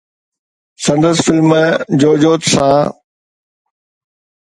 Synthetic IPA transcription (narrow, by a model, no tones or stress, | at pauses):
sɐ̃nd̪əsfɪlmd͡ʑoːd͡ʑoːt̪sãː